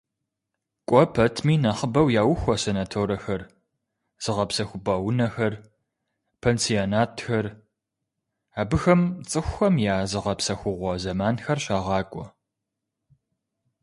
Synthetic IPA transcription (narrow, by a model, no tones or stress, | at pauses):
kʷʼɔpʰɐtʰmiːnaχəbɐwjaːwʊxʷɔsenaːtʰoːɾɐxɐr | z̥ɨʁɐpsɐxʷʊbaːwʊnɐxɐr | pʰeːnsionaːtʰxɐr | aːbɨxɐmt͡sʼɨxʷxɐmjaːzɨʁɐpsɐxʷʊʁʷɔzɐmaːnxɐrɕaːʁɑːkʷʼɔ